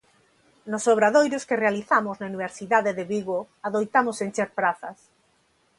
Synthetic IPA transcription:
nʊsoβɾaðojɾʊskerealiθamʊznauniβeɾsiðaðeðeβiɣo | aðojt̪amʊsent͡ʃeɾpɾaθɐs

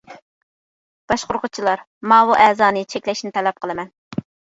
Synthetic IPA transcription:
b̥ɑʃqoɾqʰʊt͡ʃʰilˠɑɾ | mɑːwuʔɛːzɑːnɨt͡ʃʰɛkʲlɛʃinɪt̪ʰɛlɛp̚qʰəlˠɨmɛn

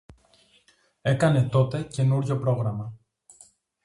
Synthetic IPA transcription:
e̞kɐne̞t̪o̞t̪e̞ce̞nuɾʝo̞pɾo̞ɣɾɐmɐ

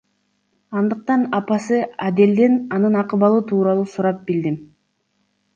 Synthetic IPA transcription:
ɑnd̪ɯq̚t̪ɑnɑpɑsɯad̪e̞ld̪enɑnɯnɑqɯβɑlˠuːt̪ʰuːɾɑlˠuːsuɾɑp̚bild̪im

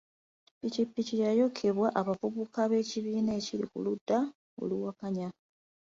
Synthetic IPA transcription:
pitipːicijajo̞kʰe̞βwaʔaβavuβukaβe̞ːciβiːnaecilḭkṵludːa | o̞̰luwakaɲa

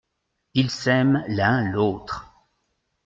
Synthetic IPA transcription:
ilsɛmlɛ̃loːt̪χ

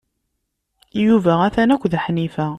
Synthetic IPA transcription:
juvææθænækʷːðħnifæ

